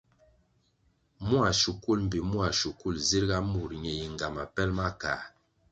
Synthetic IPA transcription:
mu˦a˨ʃu˨ku˦lm̩˨bi˨mu˦a˨ʃu˨ku˦˨lzi˦ɾɡa˦mu˨ɾɲɛ˨ji˨ŋɡa˨ma˨pɛ˦lma˦ka˨

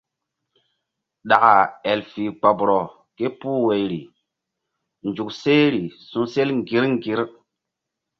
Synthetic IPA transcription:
ɗa˨ka˨ɛ˨lfi˨k͡pa˨bɾɔ˨ | ke˦puː˦we˨jɾi˨ | nd͡ʒu˨kse˦ɾi˨sũ˦se˦lŋ˨ɡi˦ɾŋ˦ɡi˨˦ɾ

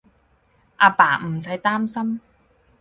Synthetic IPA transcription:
ʔaː˧paː˨˩m̩˨˩sɐ˨˥jt̪aː˥msɐ˥m

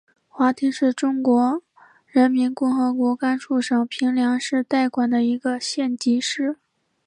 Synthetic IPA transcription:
xwa˧˥t̪ʰi˧˥ʂɻ̩˥˩ʈ͡ʂʊ˥ŋkwɔ˧˥ | ɻə˧˥nmi˧˥nkʊ˥˩ŋxɤ˧˥kwɔ˧˥ka˥nʈ͡ʂʰu˥˩ʂɤ˨˩ŋpʰi˧˥ŋljɑ˧˥ŋʂɻ̩˥˧t̪a˥˩ɪkwa˨˩nd̪ə˦i˧˥ɡə˧ɕjɛ˥˩nt͡ɕi˧˥ʂɻ̩˥˩

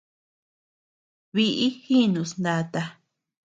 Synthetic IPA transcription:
βi˧ʔi˦xi˦nũ˧snd̪a˧t̪a˧

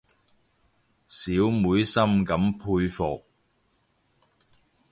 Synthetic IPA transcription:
siː˨˥wmuː˨˥jsɐ˥mkɐ˨˥mpʰuː˧jfɔː˨k̚

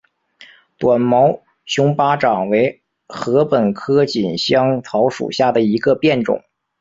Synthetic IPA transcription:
t̪wa˨˩nmɑ˧˥ʊ | ɕʊ˥ŋpa˥ʈ͡ʂɑ˨˩ŋwe˧˥ɪ | xɤ˧˥pə˨˩nkʰɤ˥t͡ɕi˨˩nɕjɑ˥ŋt͡sʰɑ˧˥ʊʂṵ˨˩ɕja˥˩d̪ə˩i˧˥ɡə˧pjɛ˥˩nʈ͡ʂʊ̰˨˩˦ŋ

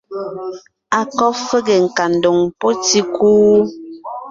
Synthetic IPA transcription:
a˨kɔ˦fə˦ɡɛ˨ŋ̩˨ka˨n̩˨do˨ŋpo˦ti˦kuː˦

